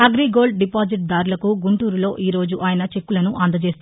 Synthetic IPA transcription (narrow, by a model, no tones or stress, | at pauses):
ɐɡɾiːɡo̞ːɭɖɖipaːd͡ʒiʈ̚d̪aːɾulɐkuɡuɳʈuːɾulo̞ːʔiːɾo̞ːd͡ʒuʔaːjɐnɐt͡ʃe̞kːulɐnuʔɐnd̪ɐt͡ʃe̞ːs